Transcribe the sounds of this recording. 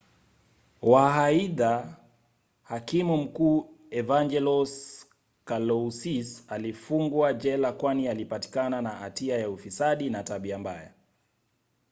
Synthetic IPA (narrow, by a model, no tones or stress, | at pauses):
waɦaiða | hakimum̩kuːɛvand͡ʒɛlɔs | kalɔsisalifuŋɡwad͡ʒɛlakwanialipati̥kananaatiajaufisaɗinataɓiamba̰ja̰